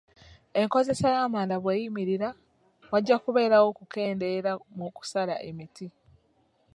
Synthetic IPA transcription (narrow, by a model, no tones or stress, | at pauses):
e̞ŋko̞ze̞sajaːmaːndaβweːjimiɾiɾa | waɟːakuβe̞ːɾawo̞kuke̞ːnde̞ɾamuku̥saɾa̰ʔe̞miti